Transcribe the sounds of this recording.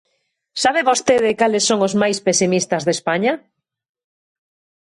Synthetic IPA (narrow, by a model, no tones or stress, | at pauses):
saβeβost̪eðɪkalesːoŋʊzmajspesimist̪ɐzðespaɲa